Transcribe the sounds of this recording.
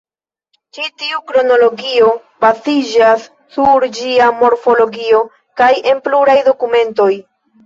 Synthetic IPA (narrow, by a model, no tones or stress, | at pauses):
t͡ʃitiukɾo̞no̞lo̞ɡio̞ | bazid͡ʒasː | uɾd͡ʒiamo̞ɾfo̞lo̞ɡio̞ | kaje̞npluɾajdo̞kume̞nto̞j